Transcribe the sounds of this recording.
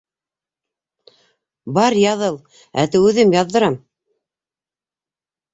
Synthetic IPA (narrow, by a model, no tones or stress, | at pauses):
bɑɾjɑðɤlˠ | æ̰t̪ɘʉðɘmjɑðːɤ̆ɾɑm